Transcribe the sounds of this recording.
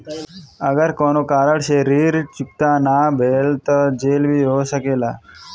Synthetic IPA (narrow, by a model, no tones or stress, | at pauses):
əɡəɾkoːnoːkaːɾəɽʃeɾiːɾt͡ʃʊk̚t̪aːnaːbʱeːlt̪əd͡ʒeːlbʱiːɦoːsəkeːlaː